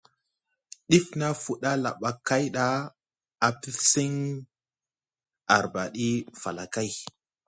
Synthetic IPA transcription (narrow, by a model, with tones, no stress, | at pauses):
ɗi˦fna˦fu˦ɗa˦la̰˨ɓa˨kːa˦jɗa˦ | a˨pi˦si˦ŋ | a˨ɾba˨ɗi˦fa̰˨la˨ka˦j